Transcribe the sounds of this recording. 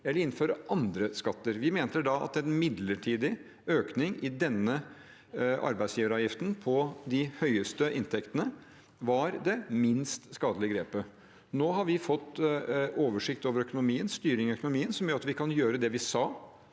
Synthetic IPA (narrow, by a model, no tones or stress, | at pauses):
ɛlːəɾɪnføːɾəʔɑnd̪ɾəskɑt̪ːəɾʋɪmeːnt̪əɖɑɑ̰t̪ɛnmɪd̪ləʈʰiːd̪ɪ | øːknɪŋɪd̪ɛnːə | ʔɑ̰ɾbæɪsjiːʋəɾɑːʋjɪft̪n̩pʰɔd̪ɪhœʏəst̪əʔɪnt̪ʰɛkt̪ənə | ʋɑɾd̪ɛmɪnst̪skɑːd̪əlɪəɡɾeːpə | noːɦɑɾʋɪfɔt̪ːʔoːʋəʂɪkt̪oːʋəɾœkʊnʊmiːənst̪yːɾɪŋœkʊnʊmiːənsɔmjuːɾɑt̪ʋɪkʰɑnjøːɾəd̪ɛʋɪsɑː